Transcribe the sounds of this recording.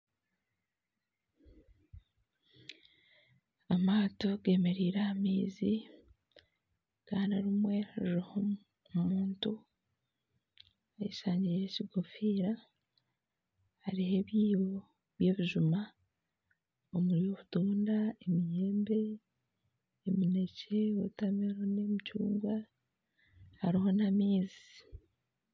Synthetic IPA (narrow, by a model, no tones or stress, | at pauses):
amaːto̞ɡe̞ːme̞ɾiːɾahamiːzi | kaːnaɾimwe̞haɾɾiho | muːntu | ajisaːɲɟijeciɡofiːɾa | haɾihe̞βjiːwo | βje̞ːβiʒuma | omuɾijo̞βutuːndaemijeːmbe | mine̞cewotamiɾone̞micṵːŋɡwa | haɾiho̞namiːzi̥